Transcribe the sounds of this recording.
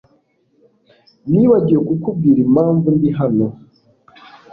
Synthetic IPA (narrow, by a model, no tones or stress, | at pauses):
niːβaɟijekukub̚ɡiːɾimaːɱvundiɦano̞